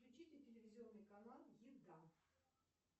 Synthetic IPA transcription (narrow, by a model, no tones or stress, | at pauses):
klʲʉt͡ɕitʲɪtʲɪlʲɪvʲɪzʲɪo̞nːɨjkɐnalˠjid̪a